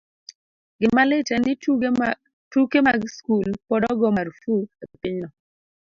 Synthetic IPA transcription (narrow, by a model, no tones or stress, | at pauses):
ɡɪnmalɪtɛnɪ | tukemaɡskulpɔdɔɡɔmaɾfuepɪɲnɔ